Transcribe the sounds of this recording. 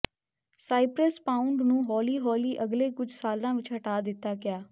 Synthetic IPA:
saːɪpɾəspãːʊɳɖnũːɦɔːliːɦɔːliːʔəɡleːkʊd͡ʒsaːlãːʋɪt͡ʃɦəʈaːd̪ɪt̪ːaːɡɪjaː

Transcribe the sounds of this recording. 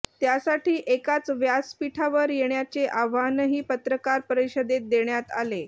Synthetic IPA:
t̪jasaʈiːʔekat͡sʋjaspiʈʰaʋəɾjeɳjat͡seʔaʋanɦiːpət̪ɾəkaɾpəɾiɕəd̪et̪̚d̪eɳjat̪a̰le

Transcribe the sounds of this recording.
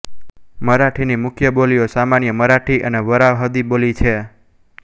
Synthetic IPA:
məɾaʈʰinimʊkʰjəboliosamanjəməɾaʈʰiʔəneʋəɾaʋɦəd̪ibolit͡ʃʰe

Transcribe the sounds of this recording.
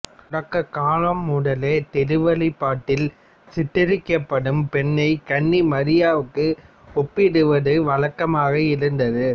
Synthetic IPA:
ʊɽɐkːɐkaːlɐmːuːɽɐleːt̪ɛɾɯʋɐlɪpːaːʈːɪl | sɪʈːɪɾɪkːɐpːɐɽɯmpɛɳːɐɪkɐɳːimɐɾɪjaːʋɯkːɯ | ɔpːɪɽɯʋɐðɯʋɐɻɐkːɐmaːɣɐɪɾɯnd̪ɐðɯ

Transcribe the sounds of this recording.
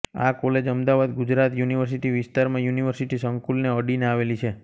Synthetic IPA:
akɔled͡ʒəmd̪aʋad̪ɡud͡ʒɾat̪juniʋəɾs̬iʈiʋɪst̪aɾmãjuniʋəɾsiʈisəŋkulneəɖineaʋelit͡ʃʰe

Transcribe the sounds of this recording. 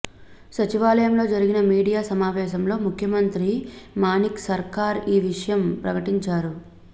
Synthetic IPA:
sɐt͡ʃiʋaːlɐjɐmlo̞ːd͡ʒɐɾiɡinɐmiːɽijaːsɐmaːʋɛːʃɐmlo̞ːmukʰjɐmɐnt̪ɾimaːniksɐɾkaːɾiːʋiʂɐjɐmpɾɐkɐʈiɲt͡ʃaːɾu

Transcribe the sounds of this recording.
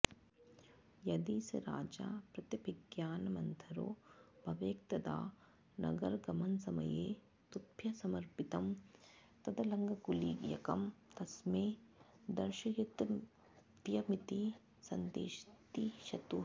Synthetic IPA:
jɐd̪iːsɐ̰ɾa̰ːd͡ʒa̰ːpɾɐt̪jɐbʱɪɡjaːnmɐnt̪ʰɐɾo̰ːb̥ʱɐʋeːkt̪ɐd̪a̰ː | nɐ̰ɡɐɾɡɐmɐnsɐmɐ̰jeː | t̪upʰjɐsɐmɐɾpit̪ɐmt̪ɐd̪ɐlɐŋɡɐɡuliːɡjɐ̰kɐmt̪ɐsmẽː | d̪ɐɾʃɐjud̪ | tjɐmit̪i | sɐnd̪ḛːʃt̪iʃɐt̪u

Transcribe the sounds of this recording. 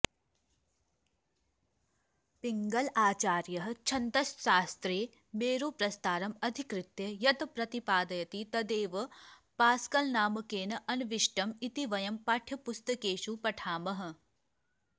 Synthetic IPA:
piŋɡɐlaːt͡ʃaːɾjɐɦɐ̆t͡ʃʰɐnt̪ɐsʃaːst̪ɾeː | meːɾuːpɾɐst̪aːɾɐmɐd̪ʱikɾɪt̪jɐjɐt̪ɐpɾɐt̪ipaːd̪ɐjɐt̪it̪ɐd̪eːʋɐ | paːskɐlnaːmɐkeːnɐʔɐnʋiʃʈɐmit̪iʋɐjɐmpaʈʰjɐpust̪ɐkeːʃupɐʈʰaːmɐɦɐ̆

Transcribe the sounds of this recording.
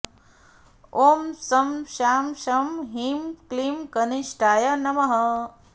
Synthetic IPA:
oːmsɐmʃaːmʃɐmɦimklimkɐniʃʈaːjɐnɐmɐɦɐ

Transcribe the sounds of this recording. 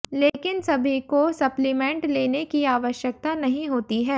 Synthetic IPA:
leːkɪnsɐbʱikosɐplɪmɛ̃ːɳʈleːnekiaːʋəʃjək̚t̪anɐɦĩɦoːt̪iɦɛː

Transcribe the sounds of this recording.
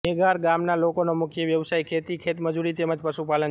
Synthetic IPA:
eɡaɾɡamnalokonomʊkʰjəʋjəʋsajkʰet̪ikʰet̪məd͡ʒuɾit̪eməd͡ʒpəʃupalən

